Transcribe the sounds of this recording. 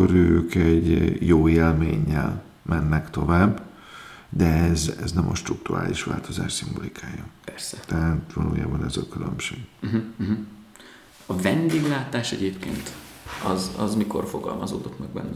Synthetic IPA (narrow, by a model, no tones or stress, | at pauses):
oɾøːkɛɟjoːeːlmeːɲːɛl | mɛnːɛkt̪o̞vaːbː | d̪ɛɛzɛ̰znɛmʔɒʃt̪ruk̚t̪ura̰ːliʃʋa̰ːlt̪o̞zaːʃt̪simbo̞likʰaːjːɒpɛrsɛt̪ɛɦaːt̪ʋɒlṵːjaːbɒnɛzɒkylø̰mʃeːɡ̩ɦ̩ɦ | ɒvɛnd̪eːɡlaːt̪aːʃɛɟeːpkeːnt̪ɒzɒ̰zmiko̞rfoɡɒ̰lmɒzoːd̪ot̪mɛɡ̚bɛ̰nː